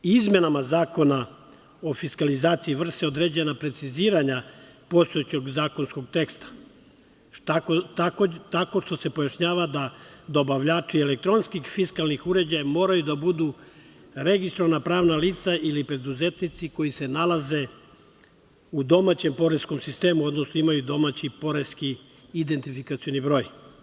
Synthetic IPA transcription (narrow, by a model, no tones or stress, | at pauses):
izme̞namazaːko̞na | o̞fiskalizaːt̪siiʋr̩seo̞d̪ɾe̞ːd͡ʑe̞napɾe̞t̪siziːɾaɲapo̞st̪oet͡ɕo̞ɡzaːko̞nsko̞ɡt̪e̞kst̪ḁ | t̪akot̪akot̪ako̞ʃt̪o̞se̞pojaʃɲaːʋad̪ad̪o̞baʋʎaːt͡ʃiele̞k̚t̪ɾo̞nskixfiskalˠnixuɾe̞d͡ʑajamo̞ːɾajud̪abud̪u | ɾe̞ɡist̪ɾoʋanapɾaːʋnaliːt̪saʔilipɾe̞d̪uze̞t̪nit̪siko̞jise̞nalaze̞ | ud̪o̞mat͡ɕe̞mpo̞ɾe̞sko̞msist̪e̞ːmuo̞d̪nosnoimajud̪o̞mat͡ɕipo̞ɾe̞skiː | d̪e̞nt̪ifikat̪sio̞nibɾo̞ːj